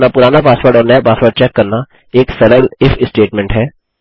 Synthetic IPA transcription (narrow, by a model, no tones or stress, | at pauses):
napʊɾaːnapaːspəːɾʈɔːɾnɐjapaːsʋəɾʈ̚t͡ʃɛːkːɐɾna | eːksɐɾəlɪfʰɪsʈeːʈmɛ̃ːɳʈɦɛː